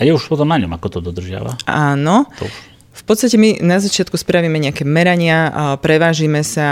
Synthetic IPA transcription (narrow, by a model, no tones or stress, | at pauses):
ajɛuʃpɔt̪ɔmnaɲɔmakɔt̪ɔd̪ɔd̪r̩ʒɪa̰ʋa̰aːnɔt̪ɔ̰u | fpɔt̪st̪acɛminazat͡ʃɪat̪kuspɾaʋiːmɛɲɛakɛːmɛɾaɲɪapɾɛʋaːʒiːmɛsa